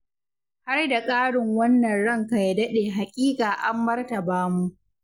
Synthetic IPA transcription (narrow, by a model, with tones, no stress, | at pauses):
ha˦rda˨kʼaː˦ɽɪ˨ŋwɐ˦nːɐ˨nɽɐ˦˨ŋka˨ja˨dɐ˦ɗeː˨ɦa˨kʲʼiː˦kʼaː˨ʔa˦mbɐ˦rtɐ˨baː˦mu˦ʔ